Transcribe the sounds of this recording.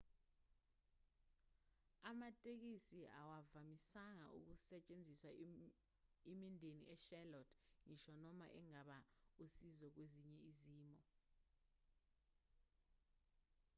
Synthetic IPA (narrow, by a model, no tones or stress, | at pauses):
amatʼek̬isiawavamisaŋa̰ʔṵk̬usɛt͡ʃʼend͡zʱiswa | emindʱenḭʔɛʃɛlɔtʰŋiʃɔnɔma̰ʔɛŋaɓausizɔk̬weziɲɛiziːmɔ